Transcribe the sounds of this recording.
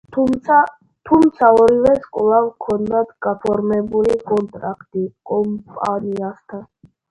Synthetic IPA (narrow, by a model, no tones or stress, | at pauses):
a | t̪ʰumt̪sʰaɔɾivɛskʼɔlˠavkʰɔnd̪at̪ɡapʰɔɾmɛbulikʼɔnt̪ʼɾa̰kʰt̪ʼikʼɔmpʼaniast̪ʰan